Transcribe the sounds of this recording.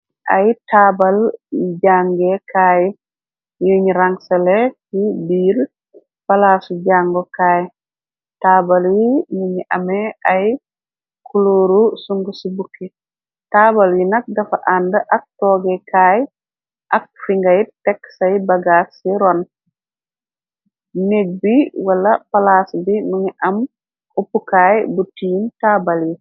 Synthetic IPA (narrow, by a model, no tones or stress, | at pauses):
ʔɐ̰jtaːbɐlɟaːŋɡekʰaːj | juɲiɾaŋsɐlekibiːl | bɐlaːsuɟaːŋɡɔkaːj | taːbaljijuɲiʔɐmeɐj | kʰuloːɾusuŋɡusibukːi | taːbaljinɐk̚dɐfaʔandɐʔɐk̚tɔːɡɛkaːj | ʔɐk̚fiŋɡɐjtɛksɐjbɐɡasːiɾɔn | neɡ̚biwalɐpalaːsubimuɲiʔɐm | upːukaːjbutiːntaːbalji